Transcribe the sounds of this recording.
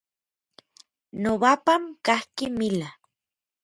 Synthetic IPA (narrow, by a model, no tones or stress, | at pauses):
noβapamkahkimila